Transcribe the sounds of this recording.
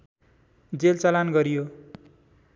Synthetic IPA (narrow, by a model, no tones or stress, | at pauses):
d͡zelt͡salanɡʌɾijo